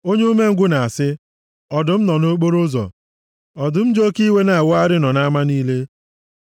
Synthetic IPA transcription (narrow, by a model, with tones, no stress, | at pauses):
o˦ɲ˦me˦ŋ̩˦ɡʷʊ˦na˨a˨sɪ˦ | ɔ˨dʊ˨m̩˦nɔ˨no˦k͡po˦ɾʊ˦zɔ̰˨ | ɔ˨dʊ˨m̩˦d͡ʒo˦ki˦we˦na˨a˨wʊ˦a˦ɾɪ˦nɔ˨na˦ma˦niː˦le˦